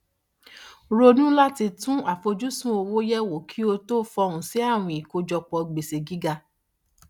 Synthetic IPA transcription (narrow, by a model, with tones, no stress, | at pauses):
ɾo˧nũ˦la˦ti˧tũ˦a˨fo˧d͡ʒu˦sũ˦o˧wo˦jɛ˦wo˨kʰi˦o˧to˦fɔ˧ũ˨si˨˦a˦˨w̃ũ˧i˨ko˧d͡ʒɔ˧k͡pɔ˧ɡ͡be˨se˨ɡi˦ɡa˧